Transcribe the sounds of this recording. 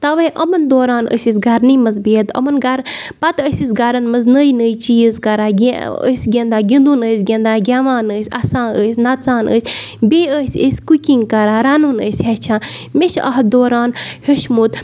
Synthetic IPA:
t̪ɐʋɐʔɐmɐnd̪oːɾaːnə̰sʲis̬ɡɐɾniːmɐzbiːt̪ɐ̰mɐnɡɐɾ | pɐt̪əsʲis̬ɡaɾɐnmɐznəːjnəːjt͡ʃiːəzkɐɾaːɡʲə̰sʲɡʲend̪aːɡʲind̪unəːsʲɡʲend̪aːɡʲaːʋaːnəːsʲa̰sãːəːsʲnat͡saːnə̰ːsʲbeːəːsʲə̰sʲkukʲiŋɡkɐɾaːɾaːnuːnəːsʲɦɛt͡ʃʰãːmeʃɐ̰ɦd̪oːɾaːnheʃmut̪

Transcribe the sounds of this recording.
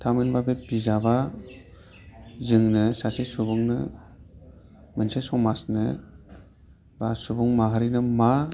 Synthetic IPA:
tʰamenbabebizaba | zɯŋnɯsasesubɯŋnɯ̰ | mɯnsesɔmasnɯ | basubuŋmaɦaɾinɯma

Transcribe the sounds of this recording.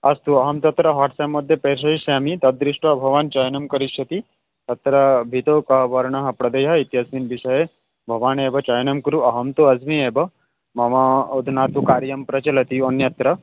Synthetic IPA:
ɐst̪uɐɦɐmt̪ɐt̪ɾɐɦɐʈsamːɐd̪ʱjɐpeɾʂ̬ɐiʃaːmit̪ɐd̪ːɾiʂʈʋɐbʱɐʋaːnt͡ʃɐjnɐmkɐɾiʃɐt̪i | t̪ɐt̪ɾɐbʱit̪oːkɐʋɐɾɳɐɦɐ̆pɾɐd̪ɐjɦɐit̪jɐsminbiʂɐje | bʱɐʋaːneːbɐt͡ʃɐjnɐmkɾuɐɦɐmt̪oɐzmieːbɐ | mɐʋaod̪ʱunaːt̪ukaːɾjɐmpɾɐt͡ʃɐlɐt̪iɐnjɐt̪ɾɐ

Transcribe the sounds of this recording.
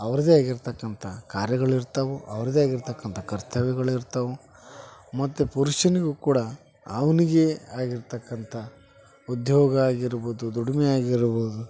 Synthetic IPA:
ɐʋɐɾɐd̪eaːɡiɾt̪ɐkːɐnt̪ʰɐkaːɾjɐɡɐɭiɾt̪ɐʋuʔɐʋɐɾɐd̪eaːɡiɾt̪ɐkːɐnt̪ʰɐkɐɾt̪ʰɐʋɛɡɐɭiɾt̪ɐʋu | mɐt̪ːupuɾuʃɐniɡukuːɽɐː | ʋɐniɡe̞aːɡiɾt̪ɐkːɐnt̪ʰɐ | ud̪ʱjɔːɡɐaːɡiɾboːd̪ud̪uɽmɛaːɡiɾboːd̪u

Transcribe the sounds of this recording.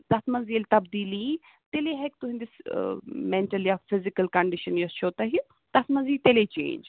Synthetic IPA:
t̪ɐt̪mɐzilt̪ɐbd̪iːli | t̪eleɦɛk̚t̪ʊɦĩnd̪ɪs | mẽɳʈɐljaːfɪzɪkɐlkɐɳɖɪʃɐnjost͡ʃʰoːt̪ɐɦi | t̪ɐt̪mɐnziːt̪elet͡ʃḛ̃ːɲd͡ʒ

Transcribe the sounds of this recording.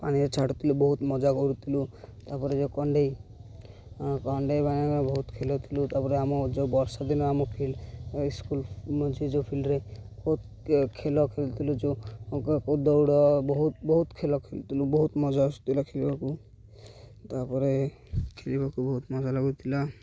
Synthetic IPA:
pañiɾet͡ʃʰaʈut̪ʰilubɔɦut̪mɔd͡ʒakɔɾut̪ʰilut̪apɔɾed͡ʒɔkɔɳɖej | kɔɳɖejbaniaabɔɦut̪kʰelɔt̪ʰilut̪apɔɾeamɔd͡ʒobɔɾsɔd̪inɔamɔkʰiliskulmɔnt͡ʃʰid͡ʒopʰilɾajb̥ɔɦut̪̚ | kʰelɔkʰelt̪ʰilud͡ʒokakod̪ɔwɽɔbɔɦut̪̚bɔɦut̪kʰelɔkʰelt̪ilubɔɦut̪mɔd͡ʒast̪ʰilakʰelibaku | t̪apɔɾe | kʰelibakubɔɦut̪mɔd͡ʒalɔɡut̪ʰila

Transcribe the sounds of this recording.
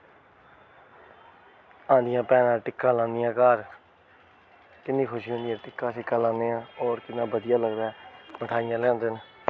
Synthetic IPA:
ãːnd̪ɪjãːpɛːnãːʈɪkːãːlãːnd̪ɪjãːkaːɾ | k̪ɪnːĩːkʰʊʃiːɦõːnd̪ɪjãːʈɪkːãːsɪkːaːlãːnd̪eːãːɔːɾkɪnːãːbəd̪ɪjaːləɡd̪aːɛməʈʰaːɪjãːlɛ̃ːnd̪eːn

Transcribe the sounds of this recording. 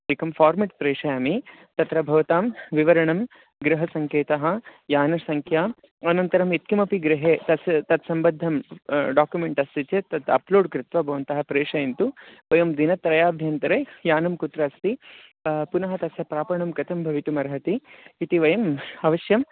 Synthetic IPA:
ikɐmfaːɾmɐʈ̚pɾeːʂɐjaːmit̪ɐt̪ɾɐbʱɐʋɐt̪aːmʋiʋɐɾɐɳɐm | ɡɾɪɦɐsɐŋkeːt̪ɐɦɐjaːnɐsɐŋkʰjaː | ɐnɐnt̪ɐɾɐmet̪̚kimɐpiɡɾɪɦeːt̪ɐst̪ɐt̪sɐmbɐd̪ʱːɐmɖaːkjumeɳʈɐst̪it͡ʃet̪ɐt̪ɐ̰ploːɖkɾɪt̪ʋɐbʱɐʋɐnt̪ɐɦɐpɾeːʂɐjɐnt̪uʋɐjɐmd̪inɐt̪ɾɐjaːbʱjɐnt̪ɐɾeːjaːnɐmkut̪ɾɐːst̪i | punɐɦɐt̪ɐsjɐpɾaːpɐɳɐmkɐt̪ʰɐmbʱɐʋit̪umɐɾɐɦɐt̪iːt̪iʋɐjɐmɐʋɐʃjɐm

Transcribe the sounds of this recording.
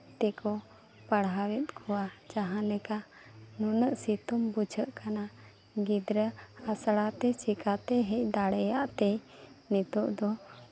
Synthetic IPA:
t̪ɛkɔ | pəɽɦawɛt̪̚kʰɔwad͡ʒaɦãlɛka | nunəʔsit̪umbud͡ʒʰʱəʔkana | ɡid̪ɾəhasɽat̪ɛt͡ʃikat̪ɛɦɛʔ̚d̪aɽɛjaʔt̪ɛjnɛt̪ɔʔd̪ɔ

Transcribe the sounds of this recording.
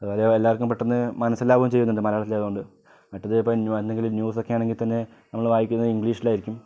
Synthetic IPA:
ɐðʋoːleelːaːʋɐrkːumpeʈːenːɨmɐnɐsːelːaːʋɐːumt͡ɕe̞jːunːuɳɖɨmɐɾɐjːɭt̪ːileðɐuɳɖɨ | mɐʈːɐðɨipːoːnuend̪e̞ŋɡililnjuːs̬o̞kːe̞jaːɳe̞ŋɡilt̪ɐnːe̞ | nɐmːɐɭʋaːjikʲːunːɐðiŋɡɭiːʂilaːjiɾikʲːum

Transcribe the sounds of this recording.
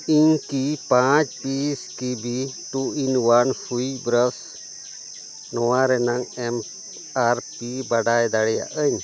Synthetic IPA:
iɲkipãt͡ʃpiskibʱiʈuinwanpʰujbɾəs | nɔwaɾɛnaŋɛm | aɾpibaɖajd̪aɽɛja̰ʔəɲ

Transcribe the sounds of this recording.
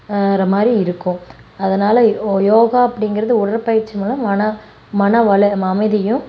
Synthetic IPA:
ɾɐmaːd̪ɾiɪɾɯkːʊ̃ | ɐðɐnaːlɐjoːɣaːɐpːɐɽɪŋɡɪɾɐðɯʊɽɐɾpɐjɪɾt͡ʃːɪmɐlɐɐnɐ | mɐnɐʋɐɭɯmɐmɐɪðɐjɯ̃

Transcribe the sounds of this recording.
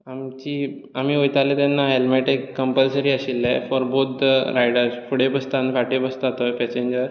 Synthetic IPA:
amt͡ɕiː | amiːojt̪alet̪anːaɦelmeʈekːəmpəlsəɾiːəɕilːɛfɔɾbot̪̚ʰd̪əɾajɽəɾsfuɽebəst̪anfaʈebəst̪at̪əpɛt͡ɕẽɲd͡ʑəɾ

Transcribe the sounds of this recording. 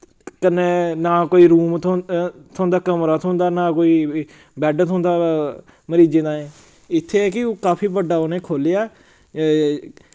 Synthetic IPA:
kənːeːnaːkoːiːɾuːmʰ | t̪ʰõːnd̪aːkəmɾaːt̪ʰõnd̪aːnãːkoːiː | bɛːɖt̪ʰõʊ̃ːnd̪aː | məɾiːd͡ʒeːd̪ãːɛ̃ː | ɪt̪ʰːeːɛːkɪoːkaːpʰiːbəɖaːonẽːkʰoːlejaː

